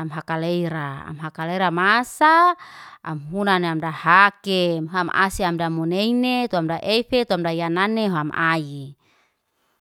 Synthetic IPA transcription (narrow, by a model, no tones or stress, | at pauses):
mɦakalejɾaa̰mɦakaleɾamasaː | mɦunaneamdahakɛmɦoama̰siamdamuneinet̪uamdaʔɛfet̪uamdajananeɦoama̰i